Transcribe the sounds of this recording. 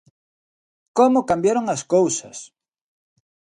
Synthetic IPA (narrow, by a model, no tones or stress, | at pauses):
komʊkambjaɾoŋaskowsɐs